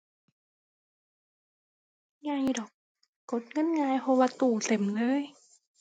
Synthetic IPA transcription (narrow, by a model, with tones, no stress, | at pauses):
ŋa˧jdɔː˨˩k̚ː | o˨˩t̪̚ŋɤ˧˥˨nŋaː˧jpʰɔ˧waː˧t̪uː˧˩se˨˩˦mlɤː˧˥˨j